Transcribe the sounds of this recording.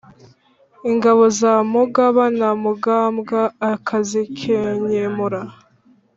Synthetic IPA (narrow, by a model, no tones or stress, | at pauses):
iŋɡaβozamuɡaβanamuɡaːmɡaːkʰazikʰeɲemuɾa